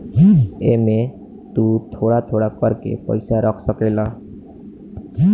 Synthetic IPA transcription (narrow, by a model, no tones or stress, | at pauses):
eme | t̪ut̪ʰoɽat̪ʰoɽakɔɾkḛpɔ̰jsaɾɔkʰsɔkela